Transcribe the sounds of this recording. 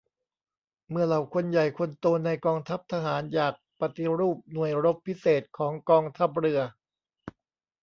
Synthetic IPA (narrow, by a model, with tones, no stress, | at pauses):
mɯ˧ɐla˨˩wkʰo˧nja˨˩jkʰo˧nt̪oː˧nːa˧jkɔː˧ŋt̪ʰa˦˥p̚t̪ʰa˧ɦaː˩˦njaː˨˩k̚pa˧t̪i˧ɾuː˥˩p̚nu˨˩əjɾo˦˥pʰːi˦˥seː˨˩t̪̚kʰɔː˩˦ŋkɔː˧ŋt̪ʰa˦˥p̚ɾɯ˧ɐ